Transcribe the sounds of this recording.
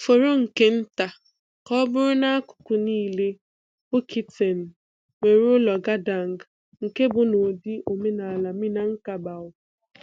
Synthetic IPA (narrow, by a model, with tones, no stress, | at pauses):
fo˨ɾo˦ŋ̩˨ke˦n̩˦ta˨ | kɔ˦bʊ˦ɾʊ˦na˦a˦kʊ̥˨kʊ˨niː˦le˦ | o˦kʰi˨te˨n̩˨ | ŋʷe˨ɾʊ˦lɔ˨ɡa˦da˨ŋ˨ɡ | ŋ̩˨ke˦bʊ˨no˨di˦ʔo˨me˦na˨a˨la˨mi˦na˨ŋ̩˦ka˨ba˨ʊ˨